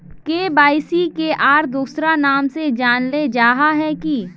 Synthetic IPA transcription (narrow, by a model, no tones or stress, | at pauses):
keːbaːɪsikeʔaːɾd̪uːsɾanaːmsed͡ʒaːnled͡ʒaːɦaɦɛki